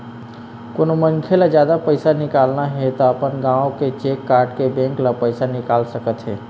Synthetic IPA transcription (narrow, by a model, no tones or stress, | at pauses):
konoməŋkʰelad͡ʒjad̪apəɪsanɪkaːlnaɦɛt̪ɔəpənɡãːõket͡ʃekːaːɾɖkebɛ̃ŋklapəɪsanɪkaːlsəkət̪ɦɛ